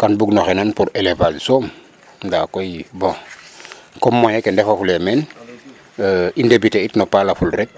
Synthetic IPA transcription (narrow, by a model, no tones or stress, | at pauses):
kanbuɡnɔxenanpuɾelevassom | dakojibɔ̃ | kɔmːɔjekendɛfofulemen | indebiteitnopalafulɾɛk̚